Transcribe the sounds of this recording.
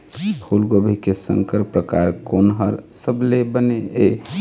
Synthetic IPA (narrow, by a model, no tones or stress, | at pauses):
hulɡobʱikesə̰̃ŋkəɾpɾəkaɾkonɦəɾsəblebənee